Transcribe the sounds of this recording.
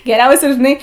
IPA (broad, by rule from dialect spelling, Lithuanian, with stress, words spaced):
ɡʲɛˈrʲɛʊsʲɛ ʒʲɪˈnɐɪ